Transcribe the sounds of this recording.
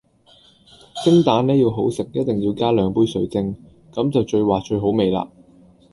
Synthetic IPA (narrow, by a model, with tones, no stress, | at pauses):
t͡sɪ˥ŋt̪aː˨˥nlɛː˥jiː˧wɦo˨˥wsɪ˨˩k̚jɐ˥t̚t̪ɪ˨ŋjiː˧wkaː˥lœː˨˧ŋpuː˥jsɵ˨˥ɥt͡sɪ˧ŋ | kɐ˨˥mt͡sɐ˨wt͡ʃɵ˧ɥwaː˨t͡ʃɵ˧ɥɦo˨˥wme˨jla̰ː˧